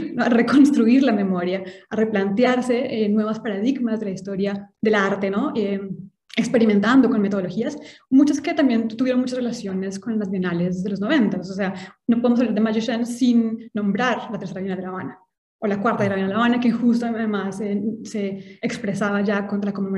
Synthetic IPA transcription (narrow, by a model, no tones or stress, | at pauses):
noare̞ko̞nst̪ɾuiɾlame̞mo̞ɾjaare̞plant̪jaɾse̞enːwe̞βaspaɾað̞iɡmazd̪e̞laist̪o̞ɾjaðe̞laɾt̪e̞no̞e | ekspeɾiment̪and̪o̞ko̞nmet̪ooloxiasmut͡ʃaske̞t̪ambje̞nt̪uβjeɾo̞nmut͡ʃasrelasjo̞ne̞sko̞nlazβenale̞zðelo̞zno̞β̞e̞nt̪asose̞ano̞poðemos̬aβlaɾd̪emad͡ʒoʃansinːõ̞mbɾaɾlat̪eɾse̞ɾaβinald̪elaβana | olakwaɾt̪aðelaβnaleaβanakexust̪oaðeaðemasese̞ːkspɾe̞saβad͡ʒakont̪ɾalakomemo